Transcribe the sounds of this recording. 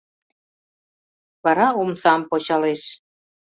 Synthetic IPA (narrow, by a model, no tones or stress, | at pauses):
βɑɾɑumsɑmpot͡ɕɑleʃ